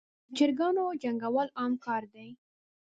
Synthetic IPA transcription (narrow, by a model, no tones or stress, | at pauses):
d͡ʒɪɾɡɑnod͡ʒaŋɡawəlɑmkɑɾd̪aj